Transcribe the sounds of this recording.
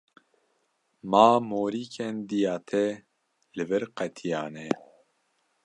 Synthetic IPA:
maːmoːɾiːkʰɛnd̪ijaːt̪ʰɛ | lɨvɨɾqɛt̪ʰijaːnɛ

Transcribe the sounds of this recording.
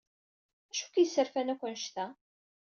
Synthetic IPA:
æʃu̥kjəsːəɾfænækʷənʃt̪æ

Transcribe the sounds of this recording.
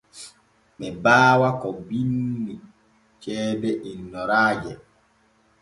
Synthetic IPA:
ɓɛbaːwakɔbinːi | t͡ʃɛːbɛʔinːɔɾaːd͡ʒɛ

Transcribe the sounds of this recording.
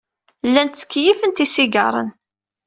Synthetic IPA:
lːænt̪t͡sːə̥kːjifənt̪isiɡɑ̰ɾˤə̰n

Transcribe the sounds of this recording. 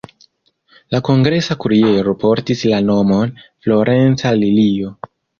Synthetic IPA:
lako̞ŋɡɾe̞sakuɾie̞ɾo̞po̞ɾtislano̞mo̞nflo̞ɾʔe̞nt͡salilio̞

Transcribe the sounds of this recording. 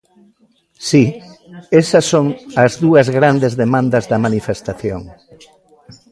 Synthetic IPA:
si | esɐsːoŋɐzðuɐzɣɾand̪ezðemãnd̪ɐzðɐmanifest̪aθjo̰ŋ

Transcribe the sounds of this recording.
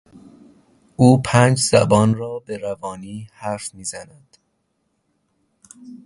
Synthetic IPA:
ʔuːpʰæːnd͡ʒz̥æbɒːnrɒːbe̞ɾævɒːniːhæɾfmiːzænæd̪̥

